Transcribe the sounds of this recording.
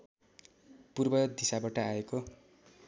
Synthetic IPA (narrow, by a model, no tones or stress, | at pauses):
purbʌd̪isabaʈʌaeko